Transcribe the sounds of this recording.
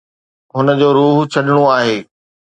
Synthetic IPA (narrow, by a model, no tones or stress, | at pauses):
ɦʊnə̆d͡ʑoːɾuːɦt͡ɕʰɐɗɪɽ̃oaːɦeː